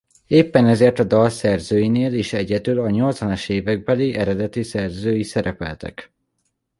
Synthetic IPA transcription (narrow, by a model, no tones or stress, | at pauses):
eːpːɛnɛzeːrt̪ɒd̪ɒlsɛrzøːjineːleːʃɛɟɛd̪ylɒɲo̞lt̪zʋɒnɒʃeːvɛɡ̚bɛliʔɛɾɛd̪ɛt̪isɛrzøːjisɛɾɛpɛ̰lt̪ɛ̰k